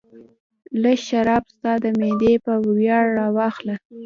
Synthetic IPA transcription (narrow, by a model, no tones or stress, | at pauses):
ləʃaɾɑbst̪ɑd̪əmed̪epəwjɑɽːɑwɑxla